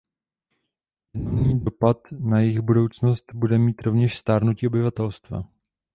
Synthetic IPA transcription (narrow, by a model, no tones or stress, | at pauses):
iznamniːdo̞pat̪najɪxbudo̞wt͡sno̞st̪budɛmiːt̪ɾo̞vɲɛʃst̪aːɾnuciːobɪvat̪ɛlst̪va̰